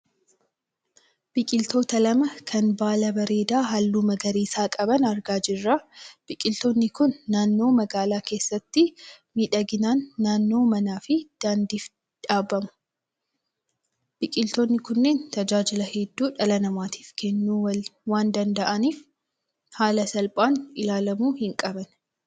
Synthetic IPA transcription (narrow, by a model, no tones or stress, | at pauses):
b̥ɪkʼɪlt̪o̞ːt̪ɐlɐmɐkʰɐnbaːlɐbɐɾe̞ːd̪aːɦɐlːuːmɐɡɐɾiːsaːkʼɐbɐnɐɾɡaːd͡ʒɪrːab̥ɪkʼɪlt̪oːnːɪkʊnːaːnːo̞ːmɐɡaːlaːke̞ːsːɐt̪ːɪmiːᶑɐɡɪnaːnːaːnːo̞ːmɐnaːfɪd̪̥aːnd̪iːf | ᶑaːbɐmʊ̥ | b̥ɪkʼɪlt̪oːnːɪkʊnːe̞ːnt̪ɐd͡ʒaːd͡ʒɪlɐhɛd̪ːuːᶑɐlɐnɐmaːt̪ʰi̥ːfkʰɛnːuːwaːnd̪ɐnd̪ɐʔɐniːf | haːlɐsɐlpʼaːnɪlaːlɐmuːhɪŋkʼɐbɐn